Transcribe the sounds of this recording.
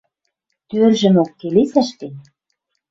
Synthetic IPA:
t̪ørʒɘ̆mokːelesæ̆ʃt̪en

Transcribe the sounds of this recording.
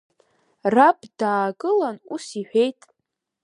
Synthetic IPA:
rabdaːɡʼɨlanusiħʷᶣejtʼ

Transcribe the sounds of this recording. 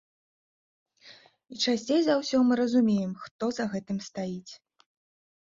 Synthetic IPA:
it͡ʂasʲt͡sʲejzɐwsʲɔmɨɾɐzumʲejɛmxt̪ɔzɐɣɛt̪ɨmst̪ajit͡sʲ

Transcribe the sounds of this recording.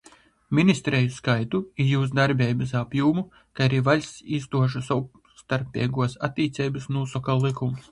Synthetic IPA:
mʲinʲist̪ɾɛjuskajt̪uijuːs̬d̪aɾbʲɛːjbɨsapjuːmu | kaaɾiːvalʲsiːst̪uɔʃ̬asɔ | st̪aɾpʲḭɛɡuɔsa̰t̪ʲːiːt̪sɛjbɨsnuːsɔkallˠikums

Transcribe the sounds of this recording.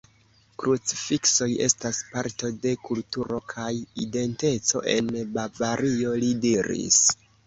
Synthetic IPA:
kɾut͡si̥fikso̞je̞̰staspaɾto̞de̞kultuɾo̞kʰajide̞nte̞t͡so̞̰ʔe̞nbavaɾio̞lidiɾḭs

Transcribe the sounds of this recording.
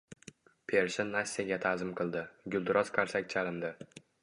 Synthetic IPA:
pʰeɾʃɪnːasʲːijaɡʲat̪ʰazɪmqʰɨlˠd̪ɪɡʲʊlˠd̪ʊɾɒz̥kʲʰaɾsak̚ʲt͡ʃʰalɪnd̪ɪ

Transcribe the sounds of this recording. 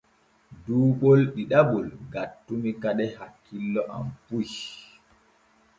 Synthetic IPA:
duːɓolɗiɗaɓɔlɡatːumikaɗɛhakːilːɔʔa̰mpuj

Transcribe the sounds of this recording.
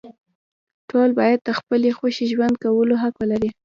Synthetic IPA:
ʈolbɑjad̪̚d̪əxpəlexoʃiʒwand̪̚kawəloɦakalaɾi

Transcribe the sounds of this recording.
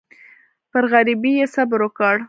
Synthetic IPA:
pəɾɣaɾibijesabɾokɑɽ

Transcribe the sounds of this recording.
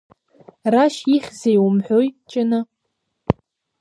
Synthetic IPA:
raʃiχʲzejwʊmħʷojt͡ʃʼɪnɨ

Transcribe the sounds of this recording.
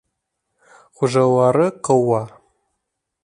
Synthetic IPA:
χʷʊʒɐwarɨqəwa

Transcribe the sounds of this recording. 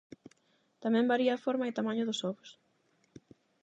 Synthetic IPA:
t̪amɛ̃mbaɾiɐfɔɾmɐɪt̪amaɲʊðʊsɔβʊs

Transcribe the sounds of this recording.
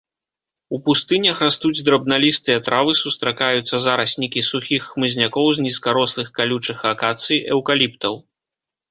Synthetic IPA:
upust̪ɨnʲɐxrast̪ud͡zʲd̪ɾɐbnalʲist̪ɨjɐt̪ɾavɨsust̪ɾakajut̪sːɐzaɾɐsʲnʲikʲisuxʲixːmɨzʲnʲakɔwzʲnʲiskaɾɔslˠɨxkalʲut͡ʂɨxakat̪sɨjɛwkalʲipt̪ɐw

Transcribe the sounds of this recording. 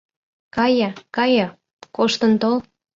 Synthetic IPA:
kɑjɑkɑjɤ | koʃt̪ənt̪ol

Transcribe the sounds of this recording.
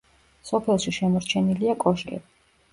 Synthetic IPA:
sɔpʰɛlˠʃiʃɛmɔɾt͡ʃʰɛniliakʼɔʃkʼɛ̰bi

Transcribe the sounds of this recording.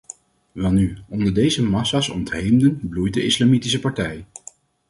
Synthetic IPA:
ʋɛlˠnyɔndəɹdejzəmɑsaːsɔ̰ntɦejmdənblujt̚dəɪslɑmitis̬əpɑɹtɛj

